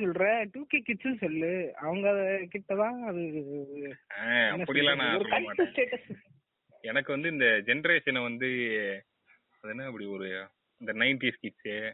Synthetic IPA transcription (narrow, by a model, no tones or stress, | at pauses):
sɔlɾɛ̃ʈuːkekɪʈssɔlːɯɐʋɐŋɡɐːðɐkɪʈːɐt̪ãːɐðɯ | ãːɐnːɐpɐɽɪlãːnãːɔɾɯkɐʈːɯsʈeːʈɐs | ɛnɐkːɯʋɐnd̪ɯɪnd̪ɐd͡ʒɛnɐɾeːʂɐnʋɐnd̪ɯ | ɐðɯnːɯɐpːɐɽiɔɾɯ | ɪnd̪ɐnɐɪnʈiskɪʈsɯ